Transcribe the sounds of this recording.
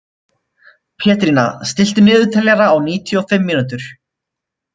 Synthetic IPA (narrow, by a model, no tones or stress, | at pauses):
pʰɛːt̪ɾiːna̰st̪ɪl̥t̪ɪmɪːðʏt̪ʰɛlɛɾaːwniːt̪ʰjɔfɪmːiːnut̪ʏɾ̥